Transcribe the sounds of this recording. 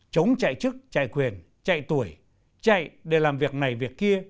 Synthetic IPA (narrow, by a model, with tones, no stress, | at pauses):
t͡ɕə˨˦wŋ͡mt͡ɕa̰˧˨jt͡ɕɨ˦˥k̚t͡ɕa̰˧˨jkwi˨˩ən | t͡ɕa̰˧˨jt̪u˧˩əj | t͡ɕa̰˧˨jɗe˧˩laː˨˩mvi˨˩ək̚na˨˩jvi˨˩ək̚ki˧ə